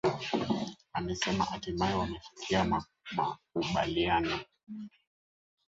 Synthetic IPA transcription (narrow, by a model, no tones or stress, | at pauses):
amɛsɛma̰hatimaɛwamɛfi̥kʰiama | ma̰kuɓa̰lianɔ